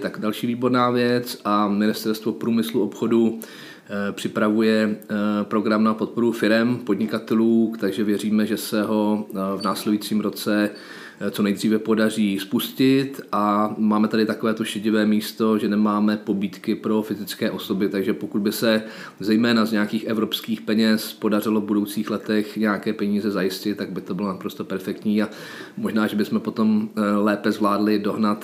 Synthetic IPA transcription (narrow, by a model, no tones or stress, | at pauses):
t̪aɡdalʃiːviːbo̞ɾnaːvjɛt͡sʔamɪnɪst̪ɛɾst̪vo̞pɾuːmɪsluopxo̞du | pr̝̥ɪpɾavujɛpɾo̞ɡɾamnapo̞t̪̚po̞ɾufɪɾɛmpo̞dɲɪkat̪ɛluːt̪aɡʒɛvjɛriːmɛʒɛsɛɦo̞vnaːslɛdujit͡siːmɾo̞t͡sɛ | t͡so̞nɛjdr̝iːvɛpo̞dar̝iːspuscɪt̪ʔamaːmɛt̪adɪt̪ako̞vɛːt̪oʃɪɟɪvɛːmiːst̪o̞ʒɛnɛmaːmɛpo̞biːt̪kɪpɾo̞fɪzɪt͡skɛːʔo̞sobɪt̪aɡʒɛpokud̪̚bɪsɛ | zɛjmɛːnazɲɛjakiːxɛvɾo̞pskiːxpɛɲɛspo̞dar̝ɪlovbudowt͡siːxlɛt̪ɛxɲɛjakɛːpɛɲiːzɛzajɪscɪt̪̚ːaɡ̚bɪt̪o̞bɪlo̞napɾo̞st̪o̞pɛɾfɛkt̪ɲiːa | mo̞ʒnaːʒɛbɪsmɛpo̞t̪o̞mlɛːpɛzvlaːdlɪdo̞ɦnat̪